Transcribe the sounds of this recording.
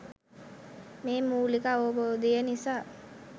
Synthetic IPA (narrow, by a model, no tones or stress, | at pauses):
meːmuːlikaoboːd̪ijənisaː